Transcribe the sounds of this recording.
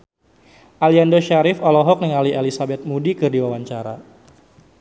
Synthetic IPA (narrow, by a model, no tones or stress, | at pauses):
ʔaliandoʃaɾɪfɔlɔɦɔk̚niŋaliʔelisabɛt̪̚mudikɨrdiwawaɲt͡ʃaɾa̰